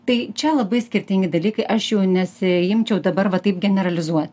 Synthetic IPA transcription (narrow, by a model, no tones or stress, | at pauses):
t̪ɐɪt͡ʃʲɛlˠɐbɐɪsʲkʲɪɾʲt̪ʲɪŋʲɡʲɪd̪ɐlʲiːkɐɪʔɐʃjɛʊnʲɛsʲɪɪmʲt͡ʃʲɛʊd̪ɐbɐɾʋɐt̪ɐɪpɡʲɛnʲɛɾɐlʲɪzuɔt̪ʲ